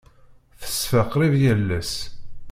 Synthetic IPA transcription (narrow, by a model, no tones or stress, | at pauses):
θə̥sfəqɾivjælːæs